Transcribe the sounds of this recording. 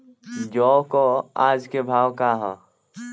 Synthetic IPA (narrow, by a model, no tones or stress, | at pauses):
d͡ʒoːkoaːd͡ʒkebʱaːwkaɦɔː